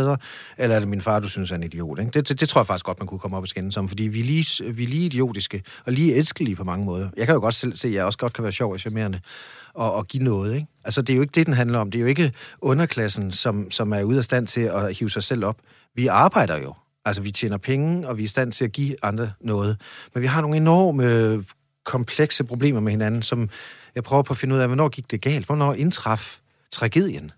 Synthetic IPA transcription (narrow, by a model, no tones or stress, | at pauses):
ðˠɐ | elɐæɐɾ̥eminfɑ̈ːd̥usynsæɐe̝nid̥io̝̰ːd̥eɡ̥d̥e̝̥e̝d̥e̝t͡sʰo̝ɐɑfɑ̈ɡ̥isɡ̥ɒ̽d̥mænkʰukʰɒ̽mɒ̽b̥ɒsɡ̥enn̩sɒ̽m̰n̩fɒ̽d̥ḭːʋiɐliːʋiɐliːid̥io̝̰ːd̥isɡ̥ə | ɒ̽liːelsɡ̥əlipʰɒ̽mɑ̈ŋəmɔ̽ːð̞ˠɐjɑ̈ɪkʰæjo̝ɡɒ̽d̥sel̰se̝̰ːjɑ̈ɪɒ̽səɡ̥ɒ̽d̥̚kʰæʋæːɐɕɒʊ̰æɕæme̝̰ɐnəɒ̽ːɡ̥inɔ̽ːð̞̩ˠeɡ̥ælsəd̥eæjoe̝ɡəd̥e̝d̥enɦænlɐɒ̽md̥e̝jo̝e̝ɡ̥əɔ̽nɐkʰlæsn̩sɒ̽msɒ̽mæɐuðˠæsd̥æn̰t͡sʰe̝æhiːʊsɑ̈ɪsel̰ɒ̽b̥ | ʋiɑ̈ːb̥ɑ̈ɪ̰d̥ɐjo̝ | ælsəʋit͡ɕʰḛːnɐpʰeŋəɒ̽ʋiæɐisd̥æn̰t͡sʰe̝æɡ̥ḭɑ̈nd̥ʁɐnɔ̽ːð̞̩ˠmenʋiɦɑ̈no̝ːŋ̩nenɒ̰ːmə | kʰɒ̽mpʰleɡ̥səpʰʁo̝b̥le̝̰ːmɐmehe̝nænn̩sɒ̽mjɑ̈ɪpʰʁœːʊɐpʰɒ̽fe̝nuð̰ˠɛʋɔnɒ̰ːɡ̥iɡ̥̚d̥e̝ɡ̥ɛ̰ːld̥ʋɒnɒ̰ːe̝nt͡sʰʁɑ̈f | t͡sʰʁɑ̈ɡ̥e̝ð̞̰ˠjən